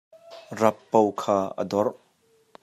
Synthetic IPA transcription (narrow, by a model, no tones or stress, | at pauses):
rɐpːowkʰaːʔə̰dɔr